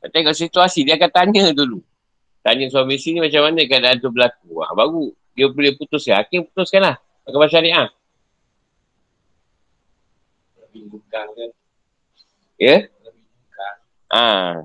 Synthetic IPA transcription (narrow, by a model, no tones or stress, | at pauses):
at̪eŋɔʔsit̪uasidiakant̪aɲədulu | t̪aɲəsuamisinimat͡ʃamːanakadaant̪ʊbəlak̚ua̰baɡu | diəpuliaput̪ʊsaakeput̪ʊskanlah | akamaʃaɾiʔa | iukaŋ | jə | ukaŋ | ʔa̰